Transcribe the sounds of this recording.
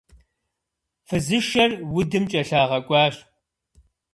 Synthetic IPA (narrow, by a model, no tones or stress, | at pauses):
fɨzɨʃɐrwʊdɨmt͡ʃʼɐɬaːʁɐkʷʼɑːɕ